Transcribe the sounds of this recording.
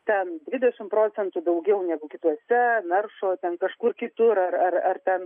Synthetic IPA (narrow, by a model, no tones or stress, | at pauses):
t̪ʲɛnd̪ʲʋʲɪd̪ʲɛʃʲɪmpɾoːt͡ssʲɛnt̪ʊd̪ɐʊɡʲɛʊnʲæːɡʊkʲɪt̪uɔsʲɛnɐrʃoːt̪ʲɛnkɐʃkuːɾkʲɪt̪ʊɾɐrɐrɐrt̪ʲɛn